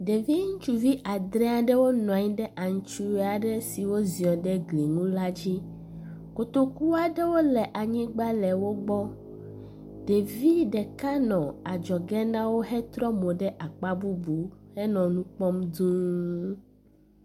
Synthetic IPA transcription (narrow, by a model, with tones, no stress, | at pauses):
ɖe˨vi˦ŋũ˦t͡ʃu˨vi˦ʔa˨d̪ɾɛ˦a˨ɖɛ˦wo˦nɔ̃˨a˨ɲĩ˦ɖɛ˦ʔa˨ŋ˨t͡ʃu˦a˨ɖɛ˦si˨wo˦zi˨ɔ˨ɖɛ˦ɡli˨ŋũ˦la˦d͡ʑi˦ | ko˨t̪o˦ku˦a˦ɖɛ˦wo˦lɛ˨ʔa˨ɲĩ˦ɡ͡ba˦lɛ˨wo˦ɡ͡bɔ˦ | ɖe˨vi˦ɖɛ˨ka˦nɔ̃˨a˨d͡ʒɔ˨ɡɛ˦nã˦wo˦ɦɛ˦t̪ɾɔ˦mo˨ɖɛ˦ʔa˨k͡pa˦bu˦bu˨hɛ˦nɔ̃˨nũ˦k͡pɔ˦md̪ũ˦